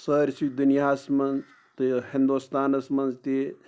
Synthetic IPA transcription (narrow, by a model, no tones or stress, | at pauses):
səɾʲsid̪unjaːsmɐnz | t̪ihĩnd̪ust̪aːnɐsmɐnzt̪i